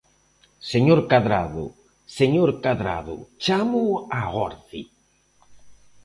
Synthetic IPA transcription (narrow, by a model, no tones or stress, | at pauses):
seɲoɾkaðɾa̰ðʊ̰ | seɲoɾkaðɾa̰ðʊ̰t͡ʃamʊaɣɔɾθi